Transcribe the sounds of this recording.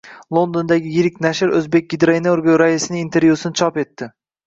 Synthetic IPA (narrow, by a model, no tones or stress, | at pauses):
lˠond̪ond̪aɡʲɪjɪɾɪkʲnaʃɪɾɵzbe̞k̚ʲɡʲɪd̪ɾajnaoɾɡʲaɾaisɪnɪint̪ʰe̞ɾvjusɪnɪt͡ʃʰɒpe̞t̪ːɪ